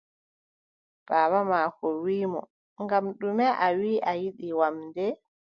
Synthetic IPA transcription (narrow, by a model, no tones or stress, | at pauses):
b̥aːbamaːkɔwiːmɔ̰ | ŋɡamɗumɛʔawiːʔajiɗiwamdɛ